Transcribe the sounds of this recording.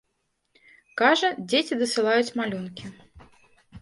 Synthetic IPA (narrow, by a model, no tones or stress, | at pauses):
kaʐɐd͡zʲet͡sʲid̪ɐsɨlˠajut͡sʲmalʲunkʲi